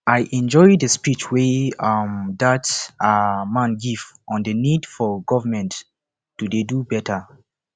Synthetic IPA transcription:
ajʔɛ̃nd͡ʒɔjddəspit͡ʃwemdat | mãnɡivʔɔ̃ndənidfɔɡɔvəmɛ̃nt | d̥udedubɛtʰə

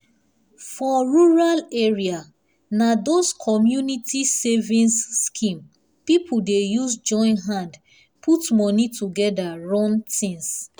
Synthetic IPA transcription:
fɔɹuɹaleɹia | nadoskʰɔmjunitʰisevĩnsːkʰĩm | pipʰudejuzd͡ʒɔ̃ɪ̃nɦãd | pʰutmɔnituɡɛdaɹɔ̃ntʰĩŋs

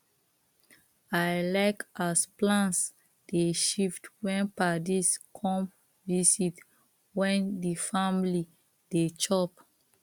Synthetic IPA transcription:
ajlaɪkasplãns | d̥eʃiftwɛ̃npadiskʰɔ̃m | visit | wɛ̃ndifãmli | det͡ʃɔp

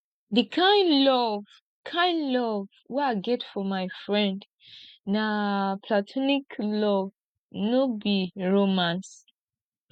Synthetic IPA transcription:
ðɨkʰãɪ̃nlɔv | kʰãɪ̃ndlɔv | wɛaɪɡɛtfɔmaɪfɹɛ̃nd | napʰlatʰɔniklɔv | nobiɹomãns

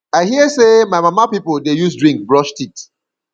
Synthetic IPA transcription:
aɪhiəsemaɪmamapipodejus̬dɹĩŋk̚bɹɔʃtit

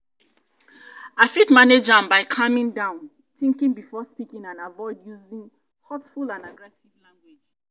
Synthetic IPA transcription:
afitmaned͡ʒãmbaɪkʰamĩŋdãʊ̃n | tĩŋkĩŋbifɔspikĩŋãnavɔɪdjuzĩŋ | hɔtfulãnaɡɹɛsivlãŋɡwed͡ʒ

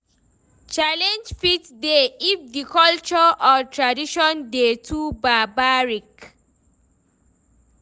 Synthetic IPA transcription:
t͡ʃalɛ̃nd͡ʒfitdeifdikɔlt͡ʃɔʔɔtʰɹadiʃɔ̃ndetʰubabaɹik

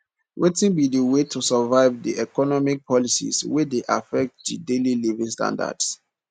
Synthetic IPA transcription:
wʔetĩnbidəwetʰusəvaɪvdḭɛkɔnɔmik̚pʰɔlisḭswɛdeʔa̰fɛk̚t̚didelilivĩŋstã̰nda̰d̥s

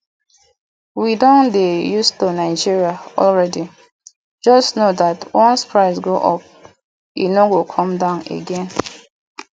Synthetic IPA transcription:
widɔ̃ndejustonaɪd͡ʒiɹiaɔ̰lɹɛdi | d͡ʒɔstnodatwɔ̃nspɹaɪsɡoʔɔp̚ | ḭnoɡokʰɔ̃mdãʊ̃nḛɡɛ̃n

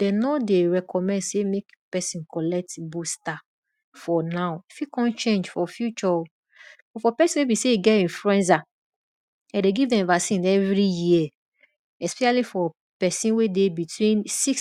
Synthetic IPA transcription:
d̥ɛnɔdeɹɛkʰɔmɛ̃ndsemek | pɛsĩnkɔlɛk̚tbusta | fɔnaʊifjukɔ̃nt͡ʃẽnd͡ʒfɔfjut͡ʃɔ | bɔfɔpɛsĩnwebiseiɡɛtĩnfluɛ̃ns̬a | ãdeɡivdɛ̃mvasĩnɛvɹijiɛ | ɛspɛʃalifɔ | pɛsĩnwedebitwĩnsiks

